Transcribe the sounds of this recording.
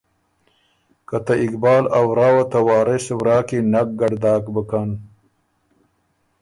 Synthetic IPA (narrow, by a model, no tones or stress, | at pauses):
kɐt̪ɐikbaːlɐwɾaːwɐt̪ɐwaːɾeswɾaːkinak̚ɡɐɽd̪aːkbəkan